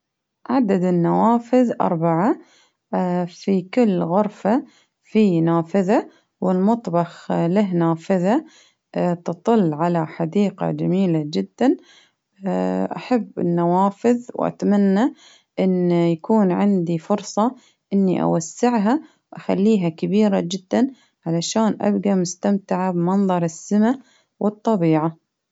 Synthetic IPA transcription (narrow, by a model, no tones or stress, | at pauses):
ʕad̪ad̪ɪnːawaːfɪðʔɑ̰ɾˤbaʕa | fikɪlːɣʊɾfa | finaːfɪða | wɪlmʊt̪ˤbɑxlaɦnaːfɪða | t̪ɨt̪ˤɨlːʕalaħad̪iːqɑ̰d͡ʒamiːlad͡ʒɪd̪ːan | ʔaħabːɪ̰nːawaːfɪðwʔa̰t̪manːa | ʔɪnːjakuːnʕɪnd̪ifʊɾsˤɑ | ʔɪnːiʔa̰wasːɪʕɦa | ʔaxalːiːɦakabiːɾad͡ʒɪd̪ːan | ʕalaʃaːnʔa̰bɡamʊst̪amt̪ɪʕabmɑnðˤɑɾˤɪsːɪma | wɨt̪ˤːɑbiːʕa